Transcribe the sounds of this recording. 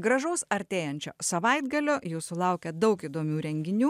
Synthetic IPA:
ɡɾɐʒoːsɐɾʲt̪ʲeːjɛnʲt͡ʃʲo̰ːsɐʋɐɪd̪ɡɐlʲoːjuːssʊlˠɐʊkʲɛd̪ɐʊkiːd̪oːmʲuːɾʲɛŋʲɡʲɪnʲuː

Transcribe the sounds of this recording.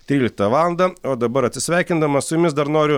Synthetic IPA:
t̪ʲɾʲiːlʲɪkt̪ɐʋɑːlˠɐnd̪ɐoːd̪ɐbɐɾɐt̪ʲsʲɪsʲʋʲɛˑɪkʲɪnd̪ɐmɐssʊjʊmʲɪsd̪ɐɾnoːɾʲʊ

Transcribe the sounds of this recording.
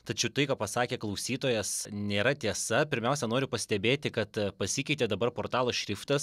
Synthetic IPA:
t̪ɐt͡ʃʲɛʊt̪ɐɪkaːppɐsɑːkʲeːklˠɐʊsʲiːt̪oːjɛsnʲeːɾɐt̪ʲiɛsɐpʲɪɾʲmʲɛʊsʲɛnoːɾʲʊpɐsʲt̪ʲɛbʲeːt̪ʲɪkɐt̪pɐsʲikʲɛɪt̪ʲeːd̪ɐbɐrpoːrt̪ɑːlˠoːʃʲɾʲɪft̪ɐs

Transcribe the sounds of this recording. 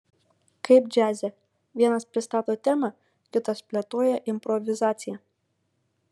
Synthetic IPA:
kɐɪpd͡ʒʲæːzʲɛ | ʋʲiɛnɐspʲɾʲɪst̪ɑːt̪oːt̪ʲæːmɑ | kʲɪt̪ɐspʲlʲɛt̪oːjɛʔɪmʲpɾɔʋʲɪzɑːt̪sʲɪjɛ

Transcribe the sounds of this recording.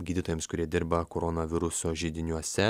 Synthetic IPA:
ɡʲiːd̪ʲɪt̪oːjɛmskʊɾʲiɛd̪ʲɪɾbɐkoɾɔnɐʋʲɪɾʊsoːʒʲɪd̪ʲɪnʲuɔsʲɛ

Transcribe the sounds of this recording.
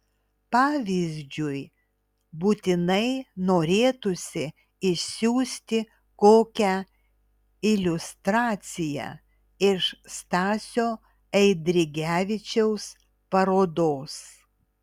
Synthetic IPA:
pɑːʋʲizʲd͡ʒʲʊj | buːt̪ʲɪnɐɪnoːɾʲeːt̪ʊsʲɪ | ɪʃsʲuːsʲt̪ʲɪ | koːkʲæ | ɪlʲʊst̪ɾɑːt̪sʲɪjæ̰ | ɪʃst̪ɑːsʲoː | ɛɪd̪ʲɾʲɪɡʲæːʋʲɪt͡ʃʲɛʊs | pɐɾoːd̪oːs

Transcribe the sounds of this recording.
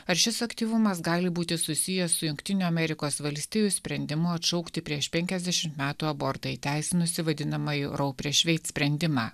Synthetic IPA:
ɐɾʃʲɪsɐkt̪ʲiːʋʊmɐs̬ɡɑːlʲɪbuːt̪ʲɪsʊsʲɪjɛsːʊjʊŋkʲt̪ʲɪnʲuːɐmʲɛɾʲɪkoːsʋɐlʲsʲt̪ʲiːjʊsʲpʲɾʲɛnʲd̪ʲɪmʊɐt̪ʃɒʊkt̪ʲɪpʲɾʲiɛʃpʲɛŋʲkʲɛzd̪ʲɛʃʲɪmt̪mʲæːt̪uːɐbɔɾt̪ɐɪt̪ʲæˑɪsʲɪnʊsʲɪʋɐd̪ʲɪnɐmɐiɾɐʊpʲɾʲeːʃʲʋʲɛɪt̪sʲpʲɾʲɛnʲd̪ʲɪmɑː

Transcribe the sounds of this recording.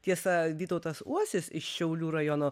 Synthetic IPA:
t̪ʲiɛsɐdʲiːt̪ɐʊt̪ɐsuɔsʲɪsɪʃʃʲɛʊlʲuːɾɐjonoː

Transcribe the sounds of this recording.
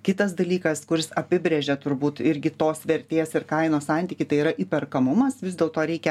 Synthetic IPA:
kʲɪt̪ɐsd̪ɐlʲiːkɐskʊɾʲɪsɐpʲɪbʲɾʲeʒʲɛt̪ʊɾbuːt̪ɪɾʲɡʲɪt̪oːsʋʲɛɾʲt̪ʲeːsɪrkɐɪnoːsɑˑnʲt̪ʲiːkʲɪt̪ɐɪiːɾɐʔiːpʲɛrkɐmʊmɐsʋʲɪzd̪ʲeːlˠt̪oːɾʲɛɪkʲɛ

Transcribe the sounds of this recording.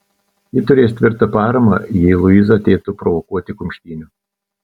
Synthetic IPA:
jɪt̪ʊɾʲeːst̪ʲʋʲɪɾt̪ɐpɑːɾɐmɐ̰jɪːlˠʊizɐɐt̪ʲeːt̪ʊpɾɔʋɔkuɔt̪ʲɪkʊmʲʃʲt̪ʲiːnʲʊ

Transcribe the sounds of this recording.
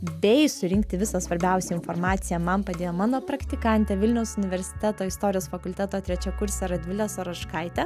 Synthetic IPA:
bʲɛɪsʊɾʲɪŋk̚t̪ʲɪʋʲɪsɐsʋɐɾʲbʲɛˑʊsʲɛɪnfoɾmɑːt̪sʲɪjɛmɐmpɐd̪ʲeːjoːmɑːnoːpɾɐkt̪ʲɪkɐnʲt̪ʲɛʋʲɪlʲnʲɛʊsʊnʲɪʋʲɛɾʲsʲɪ̥t̪ʲæt̪oːɪst̪oːɾʲɪjoːsfɐkʊlʲt̪ʲæːt̪oːt̪ɾʲɛt͡ʃʲɛkʊɾʲsʲɛɾɐd̪ʲʋʲɪlʲɛsoːɾɐʃkɐɪt̪ʲɛ

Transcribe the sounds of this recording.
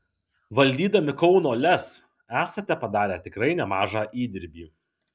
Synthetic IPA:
ʋɐlʲd̪ʲiːd̪ɐmʲɪkɒʊnoːlʲɛs | æːsɐt̪ʲɛpɐd̪ɑːɾʲæːt̪ʲɪkɾɐɪnʲɛmɑːʒɑːʔiːd̪ʲɪɾʲbʲiː

